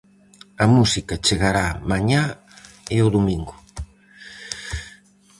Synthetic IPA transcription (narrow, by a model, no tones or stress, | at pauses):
ɐmusikɐt͡ʃeɣaɾamaɲa | eoðomĩŋɡʊ